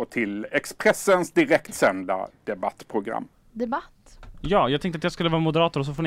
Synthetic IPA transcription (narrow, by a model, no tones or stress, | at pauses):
ɔt̪ʰɪlɛkspɾɛsːənsd̪ɪɾɛkt̪sɛnd̪a̰d̪̥ɛbat̪ːpʰɾʊɡɾa̰mː | d̪ɛbat̪ːjɑːjɑɡt̪ɛŋkt̪əat̪jɑɡskɵlːəvɑːɾmʊd̪əɾɑːt̪ʊɾɔs̬ɔfoːn